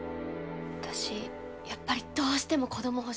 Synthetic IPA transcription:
βat̪aɕi | japːaɾʲid̪̥o̞ːɕi̥t̪e̞mo̞ko̞d̪omo̞ɦo̞

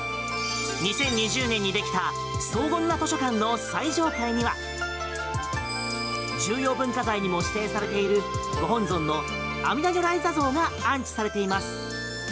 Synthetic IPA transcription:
ɲ̟isẽ̞ɲ̟ːiʑɨːnẽ̞ɲ̟ːid̪e̞kʲi̥t̪a | so̞ːɡõ̞nːat̪o̞ɕo̞kãnːo̞saiʑo̞ːt̪aiɲ̟iβa̰ | d͡ʑɨːjo̞ːbɯ̟̃ŋkazaiɲ̟imo̞ɕi̥t̪e̞ːsaɾe̞t̪e̞iɾɯ̟ɡo̞ɦõ̞nzõ̞nːo̞ | amʲinad͡ʑoɾaizazo̞ːɡaãɲ̟t͡ɕi̥saɾe̞t̪e̞imasɨ̥

